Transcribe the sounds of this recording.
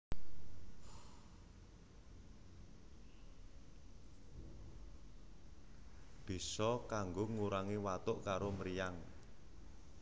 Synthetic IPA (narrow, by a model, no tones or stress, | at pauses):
b̥i̤sɔkaŋɡoŋuɾaŋiwat̪ʊʔkaɾoməɾijaŋ